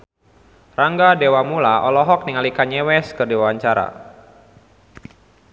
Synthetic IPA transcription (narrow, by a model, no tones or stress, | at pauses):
raŋɡadewamulaɔlɔɦɔk̚niŋalikaɲɛwɛskɨrdiwawaɲt͡ʃaɾa̰